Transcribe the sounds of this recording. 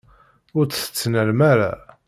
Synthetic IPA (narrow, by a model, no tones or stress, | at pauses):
ʊɾt͡sθə̥t͡sːnəlmaɾa̰